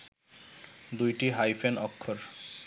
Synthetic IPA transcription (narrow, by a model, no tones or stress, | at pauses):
d̪ujʈiɦajfʰenɔkʰːoɾ